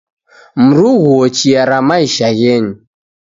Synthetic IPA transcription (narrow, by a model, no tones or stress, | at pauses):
m̩ɾuɣuɔt͡ʃiaɾamaiʃaɣɛɲi